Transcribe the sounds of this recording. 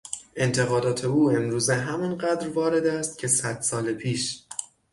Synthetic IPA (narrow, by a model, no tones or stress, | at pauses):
ʔe̞nt̪ʰe̞ɣɒːd̪ɒːt̪ʰe̞uːe̞mɾuːzeɦæminɢæːd̪ɾvɒːɾe̞d̪æst̪̚cʰe̞sæd̪̥sɒːlepʰiːʃ